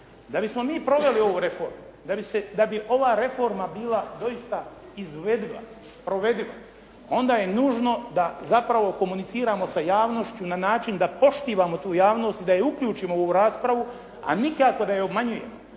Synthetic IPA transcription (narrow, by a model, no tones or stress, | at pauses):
d̪abismo̞miːpɾo̞ʋe̞lio̞ʋuɾe̞fo̞ːɾmud̪abised̪abiʔo̞ʋaːɾe̞fo̞ɾmabiːlad̪o̞ist̪a | izʋe̞d̪ila̰ | pɾo̞ʋe̞d̪ila̰ | o̞nd̪aːje̞nuːʒno̞d̪azapɾaʋo̞ko̞munit̪siːɾaːmo̞sajaːʋno̞ʃt͡ɕunanaːt͡ʃind̪apo̞ʃt̪iːʋaːmo̞t̪uːjaːʋno̞ːst̪id̪ajeuklʎuːt͡ʃiːmooʋuɾaːspɾaʋu | a̰nikako̞d̪ajeobmaɲuje̞̰mo